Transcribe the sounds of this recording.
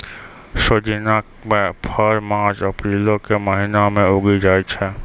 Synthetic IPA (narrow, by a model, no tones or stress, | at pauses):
ʃod͡ʒinakmẽpʰəɾmãːt͡ʃəpɾiːlõkeməɦɪnamẽʊɡid͡ʒaːit͡ʃʰɛ